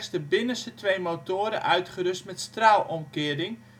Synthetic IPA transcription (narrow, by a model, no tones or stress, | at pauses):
stəbɪnəsətʋejmowtoːɾə̰ʔœɥtχəɾɵstmɛtstraːlˠɔmkɪəɾɪŋ